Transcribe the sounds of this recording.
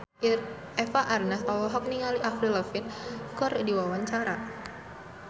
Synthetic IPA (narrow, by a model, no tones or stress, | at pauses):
ɛfaʔarnasɔlɔɦɔk̚niŋaliʔafɾiləfɪnkɔrdiwawaɲt͡ʃaɾa